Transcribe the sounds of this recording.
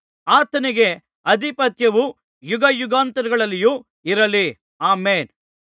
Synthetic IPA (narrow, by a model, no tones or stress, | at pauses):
aːt̪ɐniɡe̞ | ɐd̪ʱipɐt̪jɐʋu | juɡɐjuɡaːnt̪ɐɾuɡɐɭɐlːiju | iɾɐli | aːmeːn